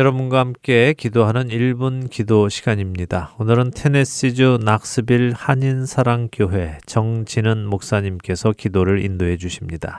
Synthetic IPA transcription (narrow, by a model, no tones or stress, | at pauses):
jʌɾʌbunɡwahamk͈e̞kidoɦanɯniɭbunkidoɕʰiɡ̥aɲimɲidaonɯɾɯntʰe̞ne̞s͈id͡ʑunak̚s͈ɯbiɭhaɲinsʰaɾaŋk͈joɦwe̞t͡ɕʌŋd͡ʑinɯnmok̚s͈aɲimk͈e̞sʰʌkidoɾɯɾḭndoɦe̞d͡ʑuɕʰimɲida